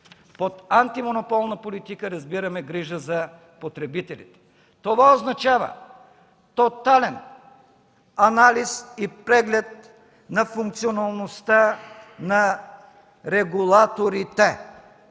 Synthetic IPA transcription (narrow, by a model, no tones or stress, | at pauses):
pot̪ant̪imonopɔlˠnɐpolit̪ikəɾɐzbiɾɐmɛɡɾiʒəzɐ | pot̪ɾɛbit̪ɛlḭt̪ɛ̥ | t̪ovaoznɐt͡ʃavə̰ | t̪ot̪alɛn | ɐnalisipɾɛɡlɛt̪̚ | nɐfuŋk̚t̪sionɐlˠnost̪anɐ | ɾɛɡulˠat̪oɾit̪ɛ